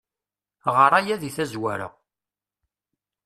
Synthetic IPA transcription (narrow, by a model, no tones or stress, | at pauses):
ʁəɾˤajæðiθæzwæɾə̰ʁ